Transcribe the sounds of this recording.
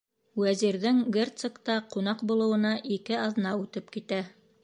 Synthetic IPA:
wæziɾðɘŋɡert̪sɤ̆kt̪ɑqun̪ɑqbulˠɤ̆wɤ̆nɑʔikɘɑðnɑʉt̪ɘpkit̪æ

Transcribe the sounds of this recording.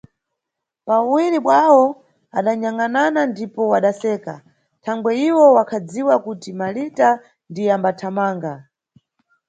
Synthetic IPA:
pawiɾiɓwawɔ | aɗaɲaŋananandipɔwaɗasɛːka | tʰaŋɡwɛiwɔwakʰad͡ziwakutimalita | ndijambatʰamaːŋɡa

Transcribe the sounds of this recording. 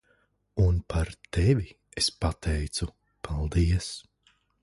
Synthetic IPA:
unpʰaɾt̪ʰevʲi | espat̪ʰɛjt̪su | pʰalˠd̪iɛs

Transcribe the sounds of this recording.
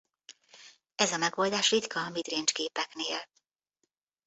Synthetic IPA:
ɛzɒmɛɡo̞ːld̪aːʃrit̪kɒːmid̪rent͡ʃɡeːpɛkneːl

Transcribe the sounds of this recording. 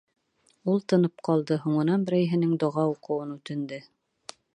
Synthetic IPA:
ulˠt̪ɤ̆nɤp̚qɑlˠd̪ɤhuɴɤ̆nɑnbɘ̆ɾæjɦɘ̆nɘŋd̪ŏʁɑuqɤ̆wɤnʉt̪ɘ̆nd̪ɘ

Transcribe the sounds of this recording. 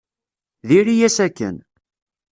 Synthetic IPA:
ðiɾijæsækːə̰n

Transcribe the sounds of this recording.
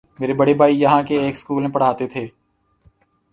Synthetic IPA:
meːɾebɐɽebʱaːijɐɦãkeeːkskuːlmẽpɐɽ̤aːt̪et̪ʰeː

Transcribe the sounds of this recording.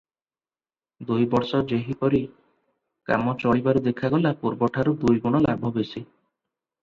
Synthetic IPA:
d̪ujbɔɾsɔd͡ʒeɦipɔɾi | ka̰mɔt͡ʃɔɭibaɾud̪ekʰaɡɔlapuɾbɔʈʰaɾud̪ujɡuɽ̃ɔlabʱɔbesi

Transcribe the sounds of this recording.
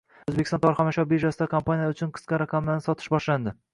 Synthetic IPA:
ɵzbekʲɪ̥st̪nt̪ɒɾχɒnaʃɒbeʒasɪd̪akʰompʰanijaʊt͡ʃʰʊnqʰɨ̥sqɑɾaqʰamlanɪsɒt̪ʰɪ̥ʃbɒʃland̪ɪ

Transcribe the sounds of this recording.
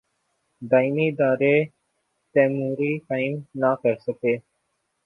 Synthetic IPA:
d̪aːimiːɪd̪aːɾeː | t̪ɛ̃ːmuːɾiːkaːɪmnaːkəɾsəkeː

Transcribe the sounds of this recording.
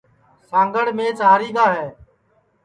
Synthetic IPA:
sãːŋɡəɽ̤mẽːt͡ʃɦaːɾiːd̪aːɦɛː

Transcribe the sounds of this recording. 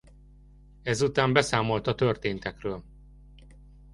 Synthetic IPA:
ɛzut̪aːmbɛsaːmo̞lt̪ɒt̪ørt̪eːnt̪ɛkrøːl

